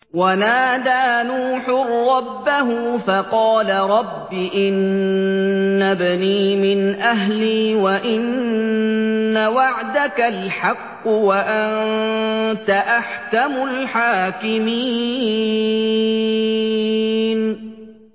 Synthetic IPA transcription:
wanaːd̪aːnuːħʊrːɑbːaɦʊfaqɑːlaɾˤɑbːɪʔɪn | abaniːmɪnʔaɦliːwaʔɪn | awaʕd̪akalħɑqːʊwaʔan | t̪aʔaħkamʊlħaːkɪmiː | n

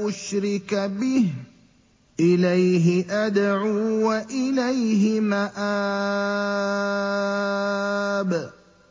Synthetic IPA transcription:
ʔʊʃɾɪkabɪh | ʔɪlajɦɪʔad̪ʕuːwaʔɪlajɦɪmaʔaː | b

